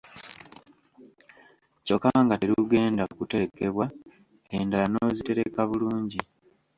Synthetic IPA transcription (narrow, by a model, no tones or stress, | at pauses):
co̞kːaŋɡateɾuɡe̞ːndaokute̞ke̞βwa | e̞ndalanozite̞ɾe̞kaβuluːɲɟi